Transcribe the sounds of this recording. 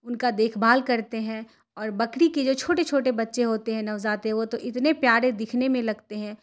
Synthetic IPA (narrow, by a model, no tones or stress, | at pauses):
ʊnkad̪eːkʰbʱaːlkɐɾt̪eɦɛ̃ː | ɔːɾbɐkɽiked͡ʒoːt͡ʃʰoːʈet͡ʃʰoːʈebɐtːʃeɦoːt̪eɦɛ̃nɐwzaːt̪ɛ̃ʋot̪oʔɪt̪nepjaːɾẽd̪ɪkʰnemẽlɐɡt̪eɦɛ̃ː